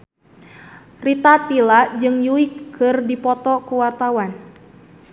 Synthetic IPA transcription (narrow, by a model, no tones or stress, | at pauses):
rit̪at̪ilad͡ʒɨŋjuikʰːɨrdipɔt̪ɔkuwart̪awan